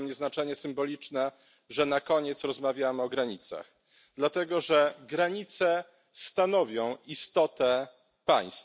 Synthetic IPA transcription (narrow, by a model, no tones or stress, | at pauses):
mɲɛznat͡ʂɛɲɛsɘmbɔlʲit͡ʂnɛ | ʐɛnakɔɲɛt̪sɾɔzmavʲjamɘɔɡɾaɲit̪sa̰x | d̪̥lat̪ɛɡɔʐɛɡɾaɲit̪sɛ | st̪anɔvʲjɔ̃w̃ist̪ɔt̪ɛ | pa̰j̃st̪